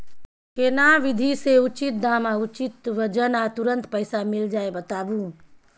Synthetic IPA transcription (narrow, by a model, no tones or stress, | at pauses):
kenaʋid̪ʱiseut͡ʃit̪̚d̪amaut͡ʃit̪ʋəd͡ʒənat̪uɾənt̪pəɪsamild͡ʒaebət̪abũ